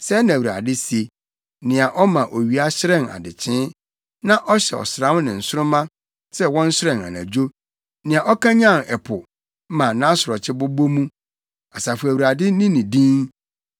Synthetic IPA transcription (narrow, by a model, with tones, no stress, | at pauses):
sɛ˦nã˨wu˨ɾa̰˨dɪ˦si˨˦e˨ | nɪ̃˨a˨ʔɔ˦mã˨ʔo˨ɥi˨a˦ɕɪ˦ɾɛ̃˦na̰˨dɪ˨t͡ɕʰɪ̃˦ | nã˦ʔɔ˦ɕɛ̰˨ɔ̰˨sɾã˨˦m˦nɪ̃˨n̩˨sʊ˦ɾʊ̃˦mã˦ | sɛ˦wɔ̃˦n̩˦sɪ˦ɾɛ̃˨a̰˨næ̰̃˨d͡ʑo˦ | nɪ̃˨a˨ʔɔ˦kʰã˦ɲã˦˨nɛ˨pʰʊ˨˦ | mã˨nã˦sʊ˨ɾɔ˨t͡ɕʰɪ˦bʊ˦bo˦mũ˦ | a˨sa˨fʊ˨æ˨wu˨ɾa˨dɪ˦nĩ˦nĩ˨dĩ˦n